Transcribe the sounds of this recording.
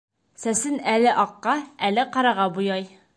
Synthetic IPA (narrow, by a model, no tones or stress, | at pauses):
sæsɘnælɘʔɒqːɑælɘqɑɾɑʁɑbujɑj